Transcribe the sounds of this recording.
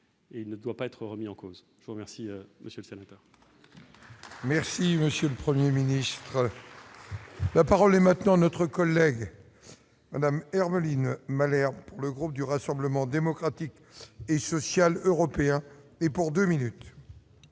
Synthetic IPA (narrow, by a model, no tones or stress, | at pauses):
eilnəd̪wapaɛt̪χəʁəmiɑ̃koz | ʒəvuʁəmɛʁsimʔəsjəlsenat̪œʁ | mɛʁsiməsjøləpχəmjeminist̪χə | lapaʁɔlɛmɛ̃t̪nɑ̃nɔt̪χəkɔlːɛɡ | mad̪amɛʁməlinmalɛʁpuʁləɡʁup̚d̪yʁasɑ̃bləmɑ̃d̪emɔkχat̪ik | esɔsjaløʁɔpeɛ̃ | ɛpuʁd̪øminyt̪